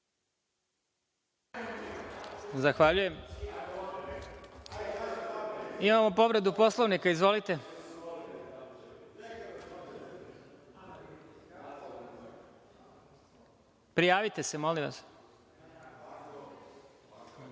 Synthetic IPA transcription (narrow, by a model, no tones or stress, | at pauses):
zaxʋaʎuje̞m | imamo̞po̞ʋɾe̞d̪upo̞slˠoʋnikaizʋo̞lit̪e | pɾijaːʋit̪e̞semolimʋa̰s